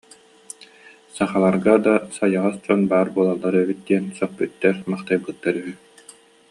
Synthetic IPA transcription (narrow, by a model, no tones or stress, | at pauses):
saχalˠaɾɡad̪asajaʁasd͡ʑɔnbaːɾbuɔlˠalˠːaɾœbyt̪̚d̪iɛnsœχpyt̪ːɛɾmaχt̪ajbɯt̪ːaɾyɦy